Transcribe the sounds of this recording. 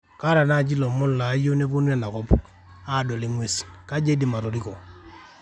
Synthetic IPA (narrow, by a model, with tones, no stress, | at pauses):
ka˦ɾa˨na˦˨t͡ʃi˦lɔ˨mʊ˦lla˨˦jo˦ne˦po˦nu˦ɛ˨na˨kɔ˦p | a˦˨dɔ˨li˦ŋwe˦ska˦d͡ʒe˦di˨ma˨ɾo˨ɾi˦kɔ˨